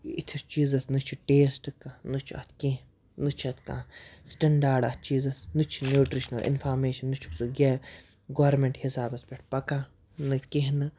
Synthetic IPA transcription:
it̪ʰist͡ʃiːzɐsnɨt͡ʃʰi̥ʈeːsʈɨkãnɨt͡ʃʰuɐ̰t̪ʰkĩɦ | nɨt͡ʃʰɐt̪ʰkã̰sʈɐɳɖaːɖɐt̪̚ʰt͡ʃiːzɐsnɨt͡ʃʰinjuːʈɾiʃnɐlʔḭnpʰaːɾmeːʃɐnːɨt͡ʃʰu̥ksuɡʲe | ɡoːɾmeɳʈhisaːbɐspʲeʈ̚ʰpɐkã | nɨkeɦnɨ

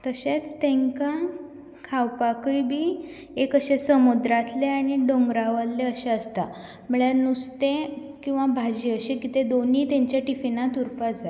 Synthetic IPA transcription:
t̪əɕet͡st̪ẽŋkã | kʰawpakəjbʱiː | ekəɕesəmud̪ɾat̪leaɽ̃iɖoŋɡɾaʋəlleəɕeəst̪a | məɭjanust̪ẽ | kĩw̃ʋabʱad͡ʑiːəɕekit̪ed̪oniːt̪ẽɲt͡ɕjaʈifinat̪uɾpad͡za

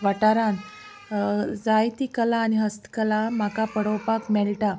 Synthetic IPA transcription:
ʋaʈaɾãn | d͡zajt̪ikəlaːniɦəst̪kəlam̤akapəɽəwpakmɛɭʈa

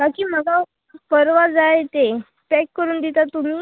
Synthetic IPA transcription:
bakiːm̤əɡa | pəɾʋad͡zajet̪e | pɛkːəɾuːnd̪it̪at̪um̤iː

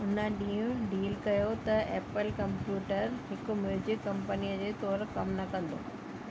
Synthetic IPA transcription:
ʊnəɗĩːũɖiːlkɐjot̪ɐʔeːpəlkɐ̃mpjuːʈəɾɦɪkʊ̆mjuːd͡ʑɪkːɐ̃mpənijəd͡ʑeːt̪ɔːɾkɐmnɐkɐ̃nd̪o̰ː

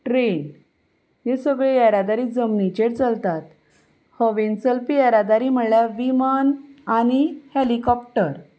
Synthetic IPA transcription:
ʈɾen | jesəɡɭejaɾad̪aɾiːd͡zəmnit͡ɕeɽt͡səlt̪at̪ | həʋent͡səlpijaɾad̪aɾiːm̤əɽljaʋimanañihelikɔp̚ʈəɾ

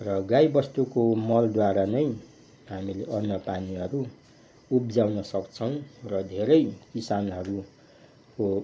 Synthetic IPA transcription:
rʌɡajbʌst̪ukomʌld̪waɾanʌj | ɦamileʔʌnːʌpaniɦʌɾu | upd͡zawnʌsʌkt͡sʰʌw̃rʌd̪ʱeɾʌjkisanɦʌɾu | ko

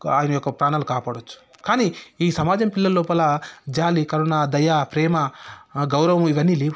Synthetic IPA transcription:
a̰ːjɐnɐjɔkːɐpɾaːnaːlukaːpaːɽot͡ʃːu̥ | kaːniiːsɐmaːd͡ʒɐmpilːɐlːoːpɐlaːd͡ʒaːlikɐɾunaːd̪ɐjaːpɾɛːmɐɡɐwɾɐʋɐmiʋɐnːiːliː

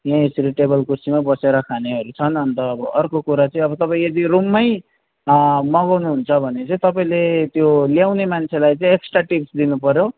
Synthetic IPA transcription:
jãesʌɾiʈebʌlkursimabʌseɾʌkʰaneɦʌɾut͡sʰʌnʌnt̪ʌːbʌʌrkokuɾat͡sʌĩʌbʌt̪ʌpaĩʌd̪irumːʌj | mʌɡʌwnuɦunt͡sʰʌbʱʌnet͡sʌĩt̪ʌpaĩlet̪joljawnemant͡sʰelajt͡sãĩeksʈraʈipsd̪inupʌɾjo

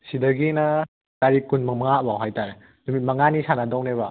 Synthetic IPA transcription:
sidɐɡinɐ | taɾikunmɐŋmɐŋaʔbawɦajtaɾe | dumit̚mɐŋanisanadɔwneβa

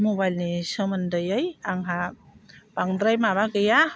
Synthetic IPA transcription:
mubajlnisəməndəjʌjaŋɦa | paŋd̪ɾajmaβaɡɯja

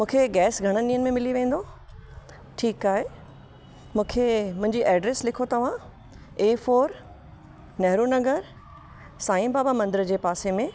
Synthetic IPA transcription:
mũːkʰeɡɛːsɡʱɐɽ̃ənĩːənɪ̆mẽmɪliʋẽːnd̪o | ʈʰiːkaːɦe | mũːkʰemʊ̃ɦɪ̃ɲd͡ʑiʔɛːɖɾeːslɪkʰot̪ɐʋ̤ã | eːfoːɾ | nɐɦɾuːnɐɡəɾ | saːɪ̃mbaːbamɐ̃nd̪ɪɾd͡ʑeːpaːsemẽ

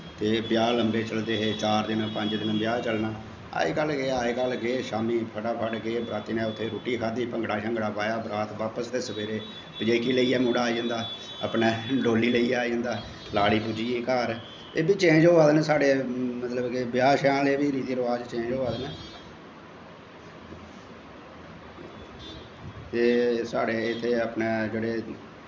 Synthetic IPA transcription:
t̪eːbɪjaːləmbeːt͡ʃəld̪eːɦeːt͡ʃaːɾd̪ɪnpəɲd͡ʒd̪ɪnbɪjaːt͡ʃəlnaː | a̰ːeːkəlɡeːaːekəlɡeːʃaːmiːpʰəʈaːpʰəɖɡeːbɾaːt̪iːnɛ̃ːʊt̪ʰːeːɾuːʈiːkʰaːd̪iːpəŋɡɽaːʃə̃ŋɡɽaːpaːjaːbɾaːt̪ʰʋaːpəsd̪eːsəbeːɾeː | bəd͡ʒeːkiːləiːɛːmoːɽaːid͡ʒə̃ːnd̪aː | ə̰pnɛːɖoːliːləiːaːid͡ʒə̃ːnd̪aː | laːɽiːpuːd͡ʒiːiːkaːɾ | eːbiːt͡ʃẽːd͡ʒoːʋaːd̪nɛːsaːɽeːmət̪ləbkebɪjaːʃãːleːbiːɾiːt̪iːəɾəʋaːd͡ʒt͡ʃẽːd͡ʒɦoːaːd̪nɛː | eːsaːɽeːɪt̪ʰːeːəpneːd͡ʒeːɽeː

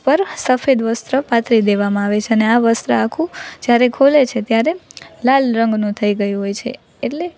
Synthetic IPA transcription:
pəɾsəfed̪ʋəst̪ɾəpat̪ʰɾid̪eʋamãaʋet͡ʃʰeəneaʋəst̪ɾəakʰũd͡ʒjaɾekʰolet͡ʃʰet̪jaɾelalɾəŋɡnũt̪ʰəiɡəjũɦojt͡ʃʰḛ | eʈle

